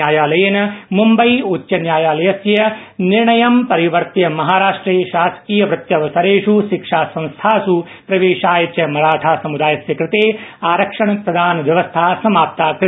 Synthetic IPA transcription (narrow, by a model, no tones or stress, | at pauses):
jaːjaːlɐjeːnɐmumbɐjotːjɐnjaːjaːlɐjɐsjɐniɾɳɐjɐmpɐɾiʋɐɾt̪jɐmɐɦaːɾaːʂʈɾeːʃaːsɐ̥kiːjɐʋɾɪt̪jɐʋɐsɐɾeːʂuʃikʂaːsɐ̃nst̪ʰaːsu | pɾɐʋeːʃaːjɐt͡ʃjɐmɐɭaːʈʰaːsɐmud̪aːjɐsjɐkɾɪt̪eːaːɾɐkʂɐɳɐpɾɐd̪ʱaːnɐʋjɐʋɐst̪ʰaːsɐmaːp̚t̪aːkɾ